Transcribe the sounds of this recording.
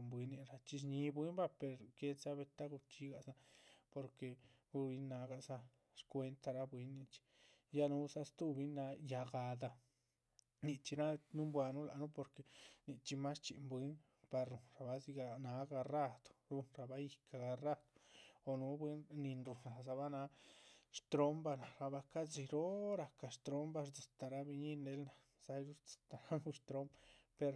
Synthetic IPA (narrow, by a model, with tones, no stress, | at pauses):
mbwi˨˦nĩ˧ɾa˧t͡ʃi˧s̬ɲĩ˧˦bʷi˦mba˦pe˧ɾke˧˦t͡sa˦βe˧t̪a˦ɣu˧t͡ʃi˧˦ɣa˧sa˧po˧ɾke˧ | u˧βi˧nã˨˦ɣa˧ʔsa˧ | ʂkʷe˧nt̪a˧ɾa˧bwi˧˦nĩ˧t͡ʃi̥˧ | ja˦nũ˦sa˧st̪u˦βi˧nã˧˦ja˧ɣa˧d̪a˧ | nĩ˧t͡ʃi˧ɾã˦nũ˦mbwa˧nũ˦la˨˧nũ˦po˧ɾke˧nĩ˧t͡ʃi˧mã˦st͡ʃi˧ʔmbi˧˦n | pa˧ɾɾu˨nɾa˨ba˧˦zi˧ɡa˧na˧˦ɡa˧ra˦˧d̪̥o̥˨ɾu˧nɾa˧ba˦ji˨ka˨ɡa˧ra˦˧d̪̥o̥˨o˨nu˧˦bwe˦nni˧nɾu˨nɾa˨za˧ba˦na˧˦ʂt̪ɾo˦mba˧na˨ɾa˧ba˧ka˦zi˧ɾo˦ɾa˨ka˨ʂt̪ɾo˦mba˧ɾt͡si̥˨t̪a˨ɾa˧bi˧ɲi˦ne˧˦lna˨ | sa˧˦jɾu˦ɾt͡si̥˨t̪a˨na˦ŋu˧ʃt̪ɾo˦mpe˧ɾ